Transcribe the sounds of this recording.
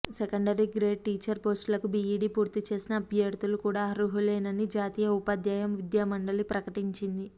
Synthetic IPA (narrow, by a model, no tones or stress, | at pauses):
sekɐɳɖɐɾiɡɾe̞ːɖ̚ʈiːt͡ʃɐɾpo̞ːsʈlɐkubiiːɖiːpuːɾt̪it͡ʃe̞ːsinɐːbʱjɐɽt̪ulukuːɽaːɐɾuɦuleːnɐnid͡ʒaːt̪iːjɐupɐd̪jaːjɐmʋid̪jaːmɐɳɖɐlipɾɐkɐʈiɲt͡ʃind̪i